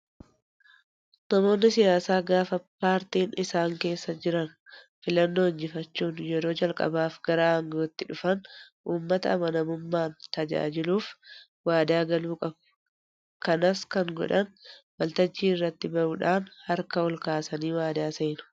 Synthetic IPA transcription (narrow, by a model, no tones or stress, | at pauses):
nɐmo̞ːnːɪsɪjaːsaːɡaːfɐpaːɾt̪iːnɪsaːŋke̞ːsːɐd͡ʒɪɾɐnfɪlɐnːo̞ːɪnd͡ʒɪfɐt͡ʃːuːnjɛɾo̞ːd͡ʒɐlkʼɐ̰baːfɡ̥ɐɾaːhɐŋɡoːt̪ːɪᶑʊfɐn | ʔuːmːɐt̪ɐ̰ːmɐnɐmʊmːaːnt̪ɐd͡ʒa̰ːd͡ʒɪluːf | waːd̪aːɡɐluːkʼɐb | kɐnɐskɐŋɡɔ̰ᶑɐnwɐlt̪ɐd͡ʒːiːrːɐt̪ːɪbɐʔuːᶑaːnhɐɾkɐɔlkaːsɐniːwaːd̪aːseːnʊ̥